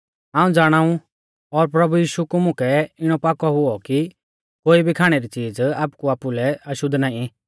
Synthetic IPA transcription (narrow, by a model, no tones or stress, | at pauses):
ãːũd͡zaːɽ̃aːũ | ɔɾpɾɐbujiːʃukumʊ̃kʰɛɪɽ̃ɔpaːkɔɦʊɔki | koːibʱikʰaːɽ̃ɛɾit͡siːd͡zaːpkuaːpulɛɐʃʊd̪ʱːnaːĩ